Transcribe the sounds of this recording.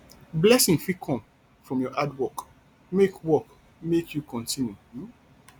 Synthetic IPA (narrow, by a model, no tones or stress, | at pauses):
blɛsĩŋfikʰɔ̃m | fɹɔ̃mjɔʔadwɔk | mekwɔk | mekʰjukɔ̃ntʰĩnju